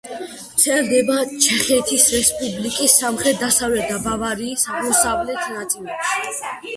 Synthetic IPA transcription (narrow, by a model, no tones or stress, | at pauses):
t̪sʰɛld̪ɛbat͡ʃʰɛχɛt̪ʰisɾɛspʼublikʼisːamχɾɛt̪̚d̪asavlɛt̪̚d̪abavaɾiːsamɔsavlɛt̪ʰnat̪sʼilɛpʃi̥